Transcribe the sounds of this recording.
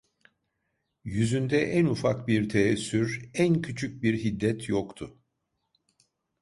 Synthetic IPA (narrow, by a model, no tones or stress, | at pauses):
jyzynd̪ɛʔænufakbiɾt̪ʰeɛsːyɾæncʰyt͡ʃʰyc̚biɾɦid̪ːɛt̪ʰjokt̪ʰʊ